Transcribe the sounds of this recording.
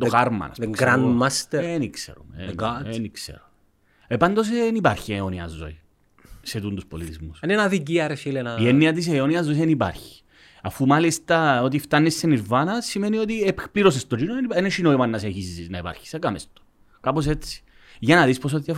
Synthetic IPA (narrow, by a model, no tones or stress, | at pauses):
d̪oxɐɾmɐ̰nɐ̰sðekɡɾand̪mast̪eeniksḛɾumeɡaniksḛɾume | epɐnd̪o̞s̬enipɐɾçieoniɐ̰zːo̰i | set̪und̪uspolit̪izmusɐnenɐðic̬iɐɾesilenɐienːiɐt̪is̬eoniɐzːoisenipɐ̰ɾçi̥ | ɐfumɐlist̪ɐot̪̬ift̪ɐnːisːeniɾvɐnɐsimenio̞t̪iepliɾos̬est̪od͡ʒinoenieneʃinoimɐnːɐs̬eçisziznɐipɐ̰ɾçi̥sekɐmest̪o̥ | kɐpo̞set͡sːi̥ | ʝɐnɐðispos̬ot̪if